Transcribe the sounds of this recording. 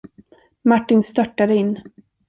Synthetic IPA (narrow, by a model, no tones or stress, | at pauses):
maʈːɪnst̪œʈːad̪əɪnː